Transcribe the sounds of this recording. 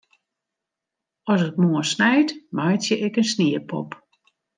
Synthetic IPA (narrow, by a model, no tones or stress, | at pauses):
ɔsətmoəsnɛjtmajtjəʔɛkənsniəpʰɔ̰p